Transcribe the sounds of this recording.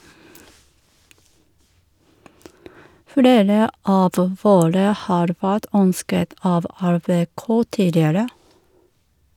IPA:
ˈfleːɾə ˈɑːʋ ˈʋoːɾə ˈhɑːɾ ˈʋæːt ˈœnskət ˈɑːʋ æɾbeːˈkoː ˈtiːdɪəɾə

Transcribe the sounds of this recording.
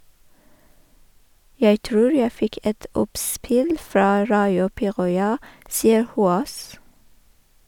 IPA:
ˈjæɪ ˈtɾuːɹ ˈjæɪ ˈfɪk ˈɛt ˈɔpˌspɪl ˈfɾɑː ˈɹɑɪʊ ˈpiːʁɔʏɑ ˈsiːə ˈhuːoːs

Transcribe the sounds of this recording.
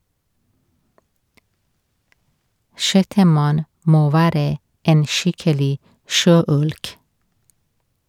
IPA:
ˈʃɛtəˌmɑn ˈmoː ˈʋæːɾə ˈeːn ˈʃɪkəlɪ ˈʃøːˌʉlk

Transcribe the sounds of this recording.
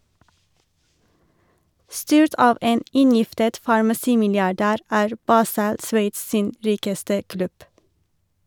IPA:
ˈstyːɹt ˈɑːʋ ˈeːn ˈɪnˌjɪftət fɑɹmɑˈsiːmɪlɪɑˌɖæːɾ ˈæːɹ ˈbɑːsəl ˈsʋeɪts ˈsiːn ˈɹiːkəstə ˈklʉb

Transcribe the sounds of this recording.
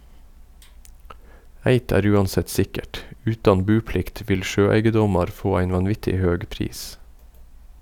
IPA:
ˈæɪt ˈæːɾ ˈʉːɑnˌsɛt ˈsɪkəʈ ˈʉːtɑn ˈbʉːˌplɪkt ˈʋɪl ˈʃøːˌæɪɡəˌdɔmɑɾ ˈfoː ˈæɪn ʋɑnˈʋɪtɪ ˈhøːɡ ˈpɾiːs

